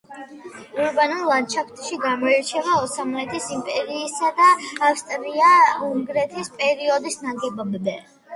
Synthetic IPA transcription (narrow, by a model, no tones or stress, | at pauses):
uɾbanɛllːad̪t͡ʃʰapʰt̪ʰʃiɡamɔiɾt͡ʃʰɛvaɔsamɛt̪ʰisimpʼɛɾiːsad̪aːfst̪ʼɾiauŋɡɾɛt̪ʰispʼɛɾiɔd̪isnaɡɛbabd̪ɛ